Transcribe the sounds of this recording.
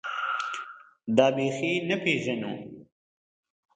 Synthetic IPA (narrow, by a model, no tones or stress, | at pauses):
d̪aːbeːxinɐpʰeːʒɐno̰ː